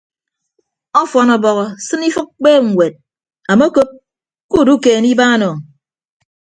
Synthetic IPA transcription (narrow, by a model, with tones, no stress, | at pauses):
ɔ˦fɔ˨nɔ˨bɔ˨ɣɔ˨sɨ˦ni˦fɨ˦k̚k͡peː˦ŋ̩˨ŋʷwe˨t̚ | a˨mo˦ko˦p̚ | ku˦˨du˦keː˨ni˦baː˦nɔ˨